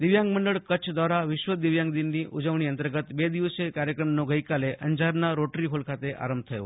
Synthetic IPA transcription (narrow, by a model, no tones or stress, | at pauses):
d̪iʋjãŋɡməɳɖəɭkət͡ʃʰd̪ʱʋaɾaʋɪʃʋəd̪iʋjãŋɡd̪inːiʔud͡ʒəʋɳiənt̪əɾɡət̪bed̪iʋəsekaɾjəkɾəmnoɡəjkaleʔənd͡ʒaɾnaɾoʈɾiɦolkʰat̪eʔa̰ɾəmb̚t̪ʰəjo̰